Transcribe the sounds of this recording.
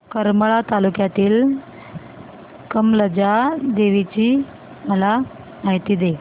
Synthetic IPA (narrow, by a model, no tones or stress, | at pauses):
kəɾməɭat̪alukjat̪iːl | kəmləd͡ʑad̪eʋit͡ɕiː | məla | maɦit̪id̪e